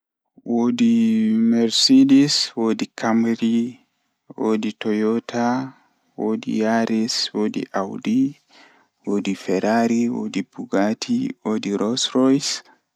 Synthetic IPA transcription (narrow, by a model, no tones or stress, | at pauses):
woːdimɛɾsediswoːdikʰamɾi | woditɔjɔtʰa | wodḭjaɾiswodḭʔawdi | woːdifɛɾaɾiwo̰dibuɡatʰiwoːdiɾɔsɾɔjs